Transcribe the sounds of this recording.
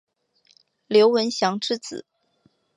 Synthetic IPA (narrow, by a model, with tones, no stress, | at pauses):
ljo˧˥ʊwə˧˥nɕjɑ˧˥ŋʈ͡ʂɻ̩˥˧t͡sɹ̩̰˨˩˦